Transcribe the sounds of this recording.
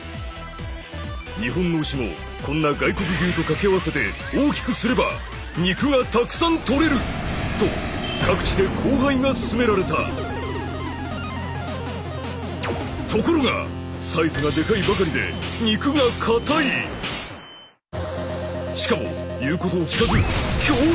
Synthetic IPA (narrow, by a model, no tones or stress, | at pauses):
ɲiɦõ̞nːo̞ɕimo̞̰ | kõ̞nːaɡaiko̞k̬ɯ̟ɡʲɨːt̪o̞kake̞aβ̞ase̞t̪e̞ | oːkʲi̥kɯ̟sɨɾe̞ba̰ | ɲ̟ikɯ̟ŋat̪akɯ̟̥sãnt̪o̞ɾe̞ɾɯ̟t̪o̞̰kʰakɯ̟̥t͡ɕid̪e̞kʰoːɦaiŋasɨ̥sɨme̞ɾaɾe̞t̪a̰ | t̪o̞ko̞ɾo̞ŋa̰saizɨŋad̪e̞kaibakaɾʲid̪e̞̰ɲ̟ikɯ̟ɡakʰat̪ai | ɕi̥kamo̞̰jɯ̟ːko̞t̪o̞ːkʲi̥kazekʲoː